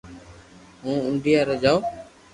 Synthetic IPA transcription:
ɦũːʊɳɖʱijaːɾəd͡ʒaːoː

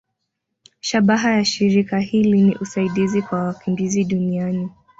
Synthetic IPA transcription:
ʃaɓaɦajaʃiɾikahiliniʔusaiɗizikwawakimbiziɗuniani

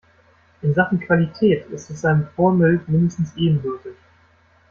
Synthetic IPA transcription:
ʔɪnzaχn̩kv̥alitʰɛːtɪstɛsaɪnəfoːɐmɪltmɪndəstn̩sʔeːbm̩vʏɐtɪç

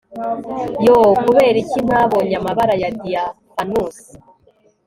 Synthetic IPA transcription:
jokuβe̞ːɾicin̥aβoɲamaβaɾajadija | fanuːsi̥

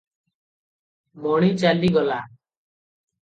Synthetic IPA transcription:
moːɽ̃iːt͡ʃaːliːɡɔlaː

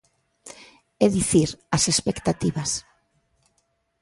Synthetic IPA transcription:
ɛðiθiɾasespekt̪at̪iβas

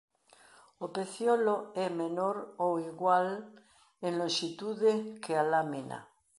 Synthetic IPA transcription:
opeθjoloɛmenoɾowiɣwal | enlõnʃit̪uðekealamina̰

